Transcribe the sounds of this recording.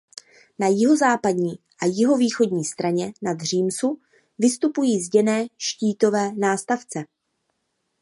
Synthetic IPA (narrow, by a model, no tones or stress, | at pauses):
najɪɦo̞zaːpadɲiː | ʔajɪɦo̞viːxo̞dɲiːst̪ɾaɲɛnad̪r̝iːmsu | vɪst̪upujiːzɟɛnɛːʃciːt̪o̞vɛːnaːst̪aft͡sɛ